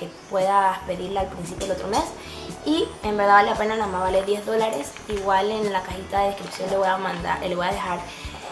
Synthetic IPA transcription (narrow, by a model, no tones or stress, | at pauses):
kepwe̞ðaspe̞ðiɾlealpɾins̬ipjoelo̞t̪ɾo̞me̞s | iembe̞ɾðaβaleape̞nanamaβaleðjezðo̞laɾes | iɣwalenlakaxit̪aðeðeskɾipsjo̞nleweamand̪a̰ʔeleβwojaðexaɾ